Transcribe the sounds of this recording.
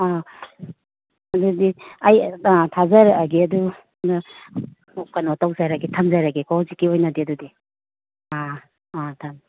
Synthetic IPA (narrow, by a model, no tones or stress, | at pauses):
a | ɐdudiɐjtʰazɐɾɡiɐdu | nɐ | kɐnotawzaɾɐɡitʰɐmzaɾɐɡikazikːiojnɐdiɐdudi | a | atʰɐm